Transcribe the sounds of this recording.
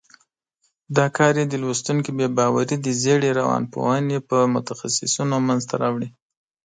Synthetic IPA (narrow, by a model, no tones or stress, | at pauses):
d̪ɑkɑɾjed̪əlwost̪uŋkibebɑwaɾid̪əzeɽeɾawɑ̰npo̰hanepəmʊt̪axa̰sɪ̰sunomanzt̪ʰaɾɑwɽi